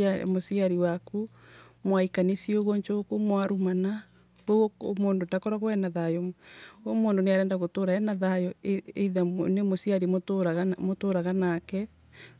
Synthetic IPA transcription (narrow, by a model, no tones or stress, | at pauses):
a̰mosiaɾiwaku | mwaikanisioɣoɲt͡ʃokumwaɾumana | βo̰moːndotakɔɾaɣwɛnaðajɔ | moːndoneaɾɛːndaɣotoːɾaɛnaðajɔeḛiðanemosiaɾimoɾamotoɾaɣanakɛ